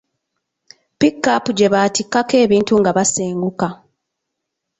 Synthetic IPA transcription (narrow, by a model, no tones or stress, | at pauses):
pikːapuɟe̞βaːtikːake̞ːβiːntuŋɡaβaseːŋɡuka